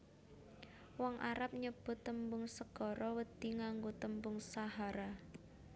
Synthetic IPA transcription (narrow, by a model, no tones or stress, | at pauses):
wɔŋʔaɾap̚ɲəb̥ʊt̪ːəmbʊŋsəɡ̥ɔɾɔwəd̪̥iŋaŋɡot̪əmbʊŋsaɦaɾa